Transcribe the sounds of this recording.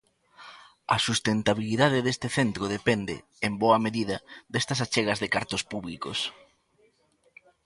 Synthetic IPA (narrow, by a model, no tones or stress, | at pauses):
ɐ̰sust̪ent̪aβiliðaðɪðest̪ɪθent̪ɾoð̞epend̪ɪ̰ːmboɐmeðiðɐd̪est̪ɐsat͡ʃeɣɐzðekaɾt̪ʊspuβliko̰s